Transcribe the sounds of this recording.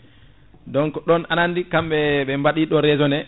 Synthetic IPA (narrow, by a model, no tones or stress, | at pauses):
dɔŋkɔɗɔnanandikamɓɛɓɛmbaɗiɗɔɾɛzɔnɛ